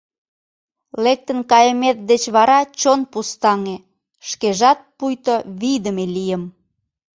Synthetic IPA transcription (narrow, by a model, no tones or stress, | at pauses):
lek̚t̪ənkɑjəmet̪̚d̪et͡ɕβɑɾɑt͡ɕonpust̪ɑŋe | ʃkeʒɑt̪̚pujt̪oβid̪əmelijəm